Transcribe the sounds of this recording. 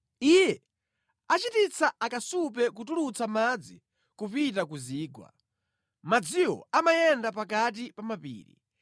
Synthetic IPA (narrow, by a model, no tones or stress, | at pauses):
ijɛ | at͡ʃitit͡saakasup̬ɛk̬utulut͡samad͡zi | kup̬itakuziːɡwa̰ | mad͡ziwɔ̰amajɛndapakat̬ipamapḭːɾḭ